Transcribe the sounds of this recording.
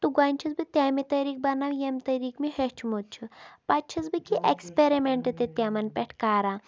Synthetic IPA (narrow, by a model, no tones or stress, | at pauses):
t̪uɡaːnʲt͡ʃʰit͡sbɨt̪ʲaːmit̪ɐɾiːk̚bɐnaʋjemt̪ɐɾiːkmihet͡ʃʰumut̪̚t͡ʃʰupɐt͡ʃʰɐt͡sbɨkiʔekspeɾimeɳʈɨt̪et̪ʲamɐnpʲeʈʰkaːɾãː